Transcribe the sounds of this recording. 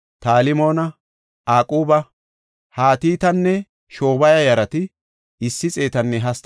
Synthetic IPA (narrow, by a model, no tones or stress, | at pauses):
t̪aːlɪmo̞ːnɐ | aːkʼuːbɐ | haːt̪iːt̪ɐnːɛ | ʃo̞ːbɐjɐjɐɾɐt̪ɪ | ɪsːɪt͡sʼe̞ːt̪ɐnːɛɦɐst̪